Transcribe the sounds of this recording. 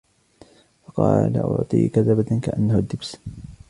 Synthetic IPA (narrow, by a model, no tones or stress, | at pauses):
fɑqɑ̰ːla̰ʔʊ̰ʕt̪ˤḭːkaðabat̪ankaʔanːahʊd̪ːɪbs